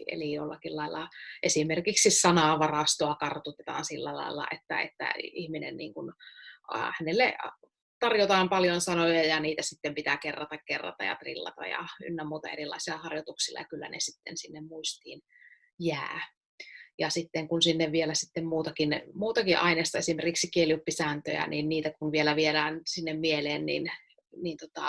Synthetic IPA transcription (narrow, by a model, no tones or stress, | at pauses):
ʔḛlijolːɑkillɑilːɑʔesimerkiksisɑnɑˑʋɑrɑst̪oɑkɑrt̪ut̪et̪ɑ̰ːnsilːælɑ̰ilːɑ̰ʔḛt̪ːæ̰ḛt̪ːæ̰ihminḛnnḭːŋkun̰ | hænelːḛ | t̪ɑrjot̪ɑːmpɑljonsɑnojɑjɑniːt̪æsit̪ːempit̪ækerːɑt̪ɑkkerːɑ̰t̪ɑ̰jɑ̰t̪rḭlːɑ̰t̪ɑ̰jɑ̰y̰nːæmmuːt̪ɑ̰erilɑ̰ˑisilɑhɑrjot̪uksilːɑ̰jɑkylːæ̰nḛsit̪ːḛnsinːemmuist̪ḭːn | jæ̰ː | jɑsit̪ːeŋkunsinːeʋʋielæsit̪ːemmuːt̪ɑkinmuːt̪ɑkiʔɑineːst̪ɑesimerkiksikieljupːisæːnt̪ø̰jæ̰ninniːt̪ækunʋielæʋielæːnsinːemmieleːnnḭn | nint̪ot̪ɑ̰